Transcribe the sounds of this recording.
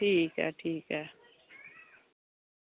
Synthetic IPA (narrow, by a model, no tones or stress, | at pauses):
ʈʰiːkɦɛ̰ʈʰiːkɦɛ